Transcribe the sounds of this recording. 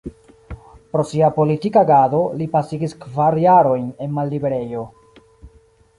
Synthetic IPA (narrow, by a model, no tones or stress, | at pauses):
pɾo̞siapo̞litikaɡado̞lipasiɡiskvaɾjaɾo̞jne̞nmalːibeɾe̞jo̞